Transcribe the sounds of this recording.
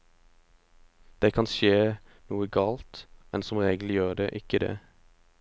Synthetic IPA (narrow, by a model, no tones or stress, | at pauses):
d̪̥eːkʰɑnʃeː | nuːəɡɑːlt̪mɛnsɔmʁeːɡl̩ɪjøːʁd̪eːʔɪkəd̪ḛː